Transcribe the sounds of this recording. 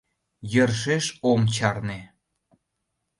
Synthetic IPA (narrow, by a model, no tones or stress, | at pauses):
jərʃeʃomt͡ɕɑrne